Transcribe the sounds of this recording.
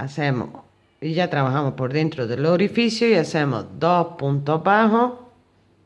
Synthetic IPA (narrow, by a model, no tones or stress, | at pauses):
a̰semo̰ | iʝat̪ɾaβaxamospoɾðent̪ɾoðeloɾifisjoiasemo̰zd̪ospunt̪oβaxo